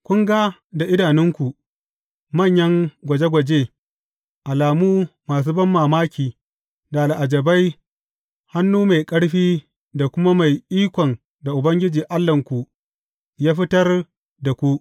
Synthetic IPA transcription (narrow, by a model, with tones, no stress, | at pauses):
kʷʊ˦ŋɡa˦da˨ʔɪ˦daː˨nɪ˦ŋkʷu˨ | mɐ˦˨ɲjɐ˦ŋɡʷɐ˨d͡ʒe˦ɡʷɐ˨d͡ʒeː˦ | ʔa˨laː˨muː˦maː˨s̬uː˦bɐ˦mːaː˨maː˦kʲiː˨ | daː˨la˨ʔa˨d͡ʒɐ˨ba˦j | ha˦nːuː˦ma˨jkʼɐ˦ɽɸiː˦ | da˨kʷʊ˦ma˦ma˨jʔiː˦kʷɔ˨n | da˨ʔʊ˨bɐ˦ŋɡʲɪ˦d͡ʒiː˨ʔa˦lːɐ˨ŋkʷu˨ | jaː˦ɸɪ˦tɐ˦r | da˨kʷu˦ʔ